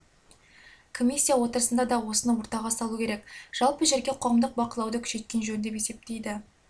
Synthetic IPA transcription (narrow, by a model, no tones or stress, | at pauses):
kʰo̞mʲisʲːijawo̞t̪əɾəsənd̪ɑd̪ɑwo̞sənɑwoɾt̪ɑʁɑsɑlˠukʲʰe̞ɾekʒ̥ɑlˠpəʒeɾɡʲeqʰoʁəmd̪əq̚bɑqəlˠɑwd̪əkʲʰʏ̥ʃe̞t̪̚kʲe̞nʒɵnd̪e̞pe̞se̞p̚t̪e̞jd̪ɪ